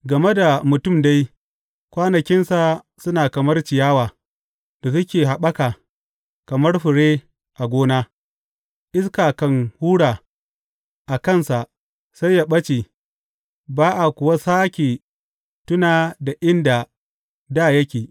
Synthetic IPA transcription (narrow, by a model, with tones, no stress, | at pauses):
ɡɐ˨me˦da˨mʊ˨tʊ˦˨mda˦j | kʷaː˦nɐ˨kʲɪ˦nsa˨ | sʊ˦naː˨kɐ˨mɐ˦rt͡ʃɪ˨jaː˦waː˨ | da˨s̬ʊ˦kʲeː˨ɦa˨ɓɐ˦kaː˨ | kɐ˨mɐ˦rɸʊ˨ɽeː˦ | ʔa˨ɡʷoː˦na˦ | ʔɪ˦skaː˨kɐ˦ŋhuː˦ɽaː˨ | ʔa˨kɐ˦˨nsa˨ʔ | sa˦ja˦˨ɓɐ˦t͡ʃeː˨ | baː˦ʔa˨kʷʊ˨wa˦saː˦kʲeː˨ | tʊ˦naː˨da˨ʔɪ˦nda˨ | daː˦˨jɐ˦kʲeː˨